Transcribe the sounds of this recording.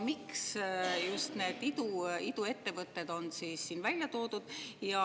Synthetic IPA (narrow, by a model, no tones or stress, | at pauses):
miksjust̪ne̞ːd̪̥id̪̥uid̪̥ue̞t̪ːe̞vɤt̪ːe̞d̪̥o̞nsiːsːiːnvælʲjɑt̪o̞ːd̪̥ud̪̥jɑ